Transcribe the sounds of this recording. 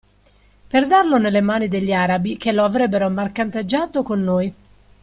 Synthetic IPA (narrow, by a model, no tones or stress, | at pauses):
perd̪arlonelːemaːnid̪eʎːiaːɾabikeloavɾɛbːeɾomarkant̪ad͡ʒːaːt̪okonːoːj